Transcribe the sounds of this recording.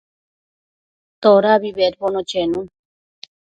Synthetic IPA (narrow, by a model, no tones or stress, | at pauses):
t̪oɾaβiβeɾbonot͡ʃenũn